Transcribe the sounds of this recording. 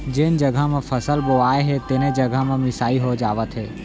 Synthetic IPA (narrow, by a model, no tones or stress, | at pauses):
d͡ʒɪnd͡ʒəɡʱamẽpʰəsəlboaːeɦɛt̪eːnẽd͡ʒəɡʱamẽmɪsaːiɦod͡ʒaːʋət̪ɦeː